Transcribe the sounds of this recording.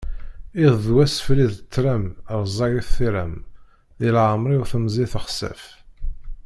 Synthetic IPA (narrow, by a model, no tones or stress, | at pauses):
iððwæsfliðət͡sːɾæməɾˤzˤɑɣiθiɾæm | ðilʕəmɾˤiwθəmzˤiθəχsæ̰f